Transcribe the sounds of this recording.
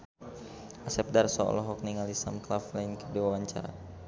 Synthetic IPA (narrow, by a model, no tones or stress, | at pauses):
ʔasɛp̚darsɔ̰lɔɦɔk̚niŋalisamklaflainkədiwawaɲt͡ʃa̰ɾa̰